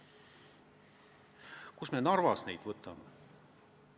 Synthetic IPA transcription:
kusmenɑrvɑsnejt̪vɤt̪ːˑɑme

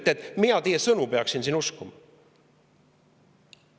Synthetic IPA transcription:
t̪ːˑet̪miɑt̪ejːesɤnupeɑksinsinuskumɑ

